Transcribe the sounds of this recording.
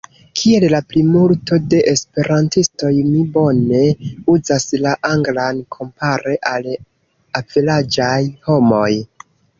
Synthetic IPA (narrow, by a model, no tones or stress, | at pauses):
kʰie̞llaplimulto̞de̞ʔespe̞ɾantisto̞jmibo̞ne̞uzaslaʔaŋɡlankʰo̞mpaɾe̞ʔal | avilad͡ʒajho̞mo̞j